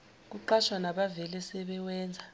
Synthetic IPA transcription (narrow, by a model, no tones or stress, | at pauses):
k̬uǃaʃwanaɓavɛlɛsɛɓɛwɛːnd͡zʱa